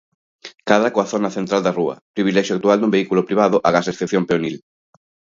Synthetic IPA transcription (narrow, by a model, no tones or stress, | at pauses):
kaðɾakoaθonɐθent̪ɾald̪ɐruɐ̰pɾiβ̞ilɛʃjʊakt̪uald̪umbeikulopɾiβ̞aðʊʔaɣasesθeθjompeonil